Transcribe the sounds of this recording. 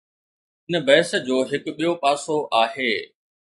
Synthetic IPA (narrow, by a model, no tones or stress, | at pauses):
ɪnə̆bɐːɪs̆d͡ʑoːɦɪkʊɓijopaːsoʔaːɦeː